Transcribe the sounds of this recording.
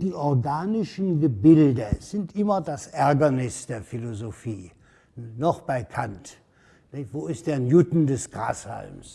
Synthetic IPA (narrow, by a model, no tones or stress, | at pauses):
d̥iːʔɔɐɡaːnɪʃən̩ɡəbɪldəz̥ɪntʔɪmɐdasʔɛɐɡɐnɪsd̥eːɐfilozofiː | nɔχb̥aɪkʰant | nɪvoːɪst̚d̥eːɐjudn̩dɛsɡ̥ʁa̰ːsha̰lms